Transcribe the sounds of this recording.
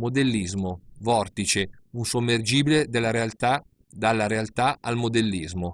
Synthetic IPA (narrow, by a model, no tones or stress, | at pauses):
mod̪elːizmovɔrt̪it͡ʃeunsomːerd͡ʒiːbiled̪elːaɾealt̪a | d̪alːaɾealt̪aalmod̪elːizmo